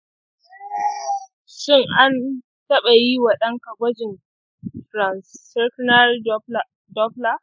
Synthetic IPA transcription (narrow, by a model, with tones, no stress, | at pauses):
ʃɪ˦˨ŋʔa˦n | tɐ˦ɓa˨ji˦wɐ˨ɗɐ˦ŋkɐ˨ɡʷɐ˦d͡ʒɪ˨n | fɾa˨nsɛ˦kna˦r | dɔ˦pla˦